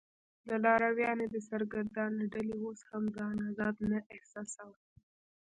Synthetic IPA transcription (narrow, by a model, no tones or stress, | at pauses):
lalɑɾawjɑned̪əsaɾɡaɾd̪ɑnaɖalioshamd̪ɑnazɑd̪naʔɪhsɑsawa